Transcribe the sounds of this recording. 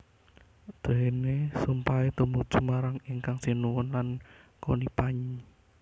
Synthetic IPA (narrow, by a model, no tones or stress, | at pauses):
d̪̥e̤nesumpaet̪umud̥ʒ̥u̥maɾaŋiŋkaŋsinuwʊnlankonipaɲi